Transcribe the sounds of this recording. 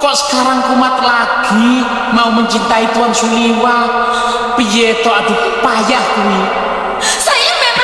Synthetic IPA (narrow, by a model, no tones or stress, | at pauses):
kɔʔsə̥kaɾaŋkumat̪laɡ̥i | mauməɲt͡ʃint̪ait̪uwansuliwa | pijet̪ɔad̪̥ṳ | pajahkuwi | sajimem